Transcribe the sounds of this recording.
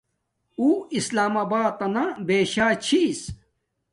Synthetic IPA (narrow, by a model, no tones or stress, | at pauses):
uːislaːmaːbaːt̪ɐnabeːɕaːt͡ɕʰis